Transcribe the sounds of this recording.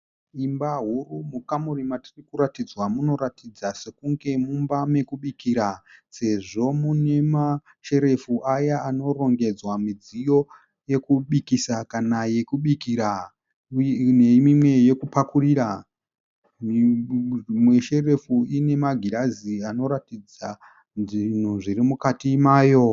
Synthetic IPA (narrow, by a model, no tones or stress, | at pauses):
imbaɦurumukamurimatirikuɾatid͡zwamuno̞ɾatid͡zase̞kuŋɡe̞mumbame̞kuɓikiɾase̞ʐo̞mune̞ma | ʃe̞ɾe̞fuʔajaano̞ro̞ŋɡe̞d͡zwamid͡zijo̞ | je̞kuɓikisakanaje̞kuɓikiɾa | nemimwe̞je̞kupakuriːɾa | mi | mwe̞ʃe̞re̞fuine̞maɡʱiɾaziano̞ɾatid͡za | nʐin̤uʐirimukatimaːjo̞